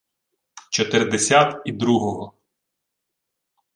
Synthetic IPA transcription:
t͡ʃɔt̪ɪrd̪esʲat̪id̪ɾuɦɔɦɔ

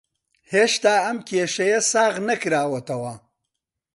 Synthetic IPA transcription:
heːʃt̪aːɐmkʲeːʃɐjɐsaːɣnɐkɾaːwɐt̪ɐwɐ

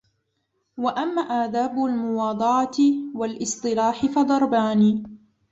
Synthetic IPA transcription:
waʔamːaːʔaʕd̪aːbʊlmʊwɑːd̪ˤɑʕɑwalʔɨsˤt̪ˤɨlaːħɪfɑd̪ˤɑɾˤbaːniː

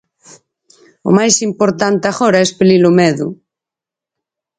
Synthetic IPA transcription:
o̰majsimpoɾt̪ant̪axoɾaespelilomɛðṵ

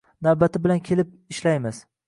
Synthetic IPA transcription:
navbat̪ʰɪbɪlankʲʰe̞lɪp̚ɪʃlajmɪz̥

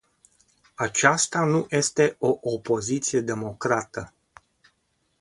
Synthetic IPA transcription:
at͡ʃast̪anujʔe̞st̪e̞o̞ʔopo̞zit̪sije̞d̪e̞mo̞kɾat̪ə

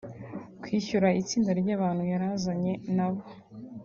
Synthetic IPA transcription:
kwiːçuɾait͡siːndaɾɟaːβaːn̥hujaɾazaɲe̞naβo

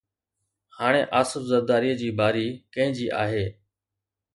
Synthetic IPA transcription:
haːɽ̃ḛːʔaːsəfzəɾd̪aːɾiːd͡ʑiːbʱaːɾiːkə̃ɦɪ̃d͡ʑiːʔa̰ːɦeː

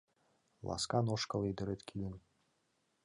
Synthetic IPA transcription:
lˠʔɑ̰skɑnoʃkɤ̆lˠed̪ɘɾɘt̪kʰʲilɘ̆n

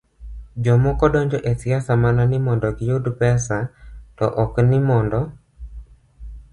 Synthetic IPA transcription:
d͡ʒɔmokɔdɔɲd͡ʒɔʔesɪasamananɪmɔndɔɡɪjodpɛsatɔ̰ʔɔknɪmɔndɔ

